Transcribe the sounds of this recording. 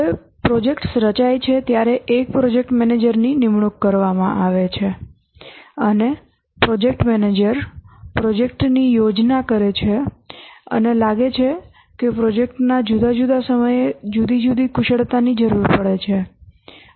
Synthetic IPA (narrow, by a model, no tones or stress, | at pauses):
e | pɾɔd͡ʒekʈsɾət͡ʃajt͡ʃʰet̪jaɾeʔek̚pɾod͡ʒek̚ʈmɛned͡ʒəɾninɪmɳukːəɾʋamãʔaʋet͡ʃʰe | əne | pɾɔd͡ʒek̚ʈmɛned͡ʒəɾpɾɔd͡ʒek̚ʈnijod͡ʒnakəɾet͡ʃʰe | ə̰nelaɡet͡ʃʰe | kepɾɔd͡ʒek̚ʈnad͡ʒud̪ad͡ʒud̪asəməjed͡ʒud̪id͡ʒud̪ikʰʊʃəɽt̪anid͡ʒəɾuɾpəɭet͡ʃʰe